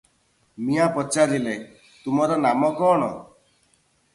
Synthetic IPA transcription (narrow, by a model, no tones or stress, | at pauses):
miapɔt͡ʃaɾile | t̪umɔɾɔnamɔkɔːɽ̃ɔ̰